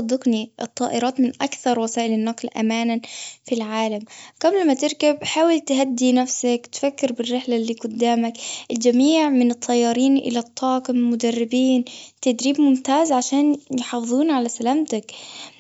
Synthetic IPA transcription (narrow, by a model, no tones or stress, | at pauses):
sɑd̪ˤːɪqniʔɨt̪ˤːɑ̰ːʔɪɾˤɑːt̪mɪnʔakθɑɾˤwasaːʔɪlɪnːɑqlʔa̰maːnanfilʕaːlamɡablmat̪ɪɾkabħaːwɪlt̪ɦad̪ːinafsakt̪fakːɪɾbɪrːɪħlalːiːɡʊd̪ːaːmakʔɪld͡ʒamiːʕmɪnɨt̪ˤʰːɑjːɑːɾiːnʔɪ̰lat̪ˤʰːɑːqɪmmʊd̪arːɪbiːnt̪ad̪ɾiːbmʊmt̪aːzʕaʃaːnjħɑːfɨðˤuːnʕalasalaːmt̪ak